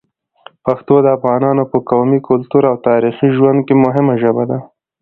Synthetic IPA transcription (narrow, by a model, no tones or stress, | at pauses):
paxt̪od̪əafɣɑnɑnopəkawmikʊlt̪uɾawt̪ɑɾixiʒwand̪̚kemʊɦɪmaʒəbad̪a